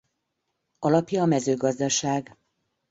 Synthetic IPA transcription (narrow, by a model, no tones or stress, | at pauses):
ɒlɒpjɒːmɛzøːɡɒzd̪ɒʃaːɡ